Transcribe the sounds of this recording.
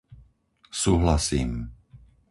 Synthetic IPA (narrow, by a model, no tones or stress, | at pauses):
suːɦlasiːm